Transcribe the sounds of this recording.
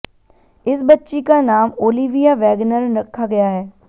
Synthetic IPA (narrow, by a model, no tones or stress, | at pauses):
ɪsbətːʃikanaːmoːliʋijaʋɛːɡnəɾɾɐkʰːaɡɐjaːɦɛː